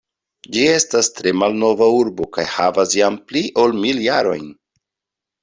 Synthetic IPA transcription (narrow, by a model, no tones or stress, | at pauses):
d͡ʒie̞stastɾe̞malno̞vauɾbo̞kajhavasjampliʔo̞lmiljaɾo̞̰jn